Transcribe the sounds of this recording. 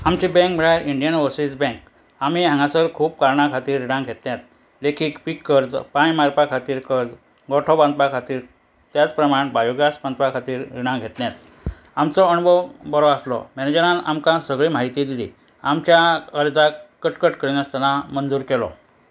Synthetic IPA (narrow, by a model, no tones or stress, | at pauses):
amt͡ɕibɛ̃ŋkm̤əɭaɾiɳɖijənʋosit͡sbɛ̃ŋk | amiãŋɡãsəɾkʰuːp̚kaɾɳakʰat̪iːɾɾiɽãŋɡʱet̪njat̪̚ | lekiːkpikːəɾd͡zpãjmaɾpakʰat̪iːɾkəɾd͡z | ɡɔʈʰɔbãnd̪pakʰat̪iːɾ | t̪jat͡spɾəmaɽbajuɡjasband̪pakʰat̪iːɾːiɽ̃ãŋɡʱet̪njat̪ | amt͡sɔəɳbɔbəɾɔaslɔ̰mɛned͡ʑəɾãna̰mkãsəɡɭiːmaɦit̪id̪ilḭː | amt͡ɕjaəɾd͡z̪akːəʈkəʈkəɾnjast̪alamənd͡zuːɾkɛlɔ̰